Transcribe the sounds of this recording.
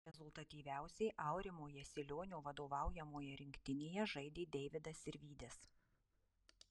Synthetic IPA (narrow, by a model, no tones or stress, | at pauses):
ɾʲɛzʊlˠt̪ɐt̪ʲiːʋʲæˑʊsʲɛɪʔɑˑʊɾʲɪmoːjɛsʲɪlʲoːnʲoːʋɐd̪oːʋɑˑʊjɛmoːjɛɾʲɪŋʲkʲt̪ʲɪnʲeːjɛʒɐɪd̪ʲeːd̪ʲɛɪʋʲɪd̪ɐsɪɾʲʋʲiːd̪ʲɛs